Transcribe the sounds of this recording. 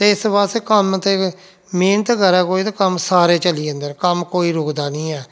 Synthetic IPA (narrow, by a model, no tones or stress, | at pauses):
t̪eːɪsbaːsekəmt̪e | meːnət̪ɡəɾɛːkoːiːt̪akəmsaːɾeːt͡ʃəliːə̃nd̪ənkəmkoːiːɾʊkd̪aːnĩːɛː